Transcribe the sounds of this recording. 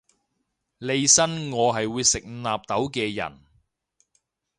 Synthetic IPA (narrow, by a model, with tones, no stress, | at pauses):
le˧jsɐ˥nŋɔː˨˧ɦɐ˨jwuː˨˧jsɪ˨k̚naː˨p̚t̪ɐ˨˥wkɛː˧jɐ̰˨˩n